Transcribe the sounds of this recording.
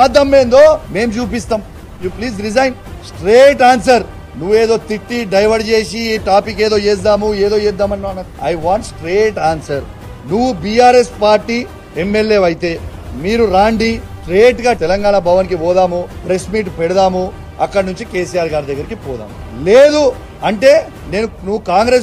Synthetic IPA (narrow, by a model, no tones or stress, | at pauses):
aːd̪ɐmːeːnd̪o̞ːme̞ːmt͡ʃuːp̬ist̪aːm | jupliːzɾid͡ʒɐjnsʈɾeːʈaːns̬ɐɾ | nuʋːueːd̪o̞ːt̪iʈːiɖɐjʋɐɾɖt͡ʃe̞ːsiiʈaːpikːeːd̪o̞ːeːs̬d̪aːmueːd̪o̞ːeːd̪ːaːmɐnːɐnːɐiɐjʋaːɳʈsʈɾeːʈaːnsɐɾ | nuʋubiːaːɾespaːɾʈiː | emːelːe̞ːʋɐjit̪e̞ːmiːɾuɾaːɳɖisʈɾeːʈɡaːt̪ɛlɐŋɡaːɳɐbɐʋɐnkiʋɔːd̪aːmupɾesmiːʈpɛɽɐd̪aːmu | ɐkːɐɽɐnuɲt͡ʃike̞ːs̬ijaːɾɡaːɾid̪ɐɡːɐɾikipɔːd̪a̰ːmu | leːd̪u | ɐɳʈe̞ː | ne̞ːnunuʋːukaːŋɡɾes